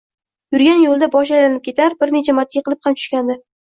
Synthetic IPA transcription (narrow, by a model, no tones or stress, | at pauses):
jʊɾɡʲanjolˠd̪abɒʃ̬ajlanɪp̚kʰʲe̞t̪ʰaɾbɪɾne̞t͡ʃʰamaɾt̪ʰɪjqʰɨlˠɪphamt͡ʃʰʊ̥ʃkʲand̪ɪ